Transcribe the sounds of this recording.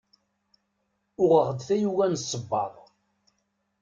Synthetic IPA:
ʊʁəʁəd̪θæjuwænsˤːəbːɑ̰ðˤ

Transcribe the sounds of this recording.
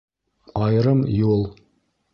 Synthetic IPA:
ɑjɾɤmjulˠ

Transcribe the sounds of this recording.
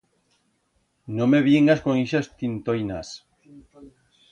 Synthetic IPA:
nõmeβiŋaskoŋiʃast̪int̪ojnas

